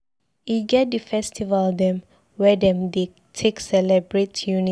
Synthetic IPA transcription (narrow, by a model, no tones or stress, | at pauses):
iɡɛt̚dəfɛstʰivaldɛ̃m | wɛdɛ̃mde | tʰeksɛlɛbɹitʰjuni